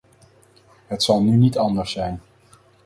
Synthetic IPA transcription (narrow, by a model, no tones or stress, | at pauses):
ɦətsɑlˠnynitɑndəɹsɛjn